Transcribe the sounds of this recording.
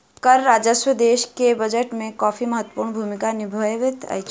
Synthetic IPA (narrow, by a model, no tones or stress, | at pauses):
kəɾːaːd͡ʒəʃwəd̪eːʃkebəd͡ʒəʈmẽkɔːfiməɦət̪ːə̥puːɾɳbʱuːmɪkanɪbʱojʋɪt̪ɐ̰j